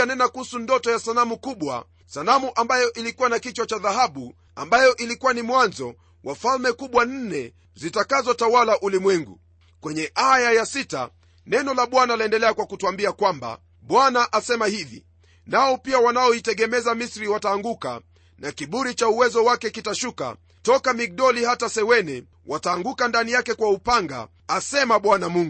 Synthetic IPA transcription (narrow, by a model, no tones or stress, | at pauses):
anɛnakuhusundɔtɔjasanamukuɓwa̰ | salamuʔambajɔʔilikuwanakit͡ʃwat͡ʃaðaɦaɓu | a̰mbajɔʔilikuwanimwanzɔ | wʔafalmɛkuɓwan̩nɛ | zitakazɔtawalaʔulimwɛŋɡṵ | kwɛɲɛʔajajasita̰ | nɛnɔlaɓwanaliɛndɛlɛakwakutuambiakwamba̰ | ɓwanaʔasɛmahivḭ | naɔpiawanaɔitɛɡɛmɛzamisɾiwataːŋɡuka̰ | nakiɓuɾit͡ʃauwɛzɔwakɛkitaʃuka̰ | tɔkamik̚ɗɔlihatasɛwɛnɛ | wataːŋɡukandanijakɛkwaupaŋɡa̰ː | sɛmaɓwanamuŋɡu